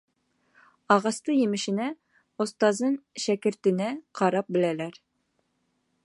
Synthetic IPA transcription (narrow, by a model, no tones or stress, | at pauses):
ɑʁɑst̪ɤjɘ̆mɘ̆ʃɘ̆næ | ŏst̪ɑzɤnʃækɘ̆ɾt̪ɘ̆næqʰɑɾɑp̚bɘ̆lælæɾ